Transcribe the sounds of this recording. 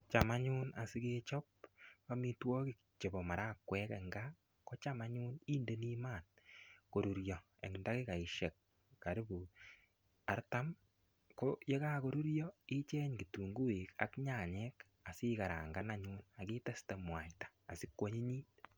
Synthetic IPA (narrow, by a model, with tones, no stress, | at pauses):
t͡ʃama˦ɲu˦na̰˨si˦ke˦t͡ʃɔ˦p̚a˦mi˦twɔ˦ki˨k̚ | t͡ʃe˨bɔ˨ma˨ɾa˦kwɛ˦kɛ˨ŋɡa˦ | ko˦t͡ʃa˦ma˦ɲu˦niː˦nde˦ni˦maː˨nko˨ɾu˨ɾjɔ˨ | ḛ˨ŋnda˦ki˦ka˨i˨ʃe˨k̚ː | a˨ɾi˦bu˨ | a˦ɾta˦m | ko˦je˦ka˦ko˦ɾu˦ɾjɔ˦i˦t͡ʃɛ˦ɲki˨tu˨ŋɡu˦e˨ka̰˦kɲa˨ɲɛ˦k | a˨si˦ka˨ɾa̰ː˨ŋɡa˦na˦ɲuna˨kɪ˦tɛ˦sta˨mwa˨jtḁː˨si˦kwo˦ɲi˦ɲiː˦t